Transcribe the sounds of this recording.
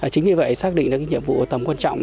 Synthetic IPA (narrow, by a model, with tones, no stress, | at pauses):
aː˨˩t͡ɕï˨˦ŋɲɨ˧və̰˧˨jsaː˦˥k̚ɗḭ̈˧˨ŋlaː˨˩kaː˨˦ɲḭ˧˨əmvṵ˧˨˩t̪ə˨˩mkwaː˧nt͡ɕɔ̰˧˨wŋ͡m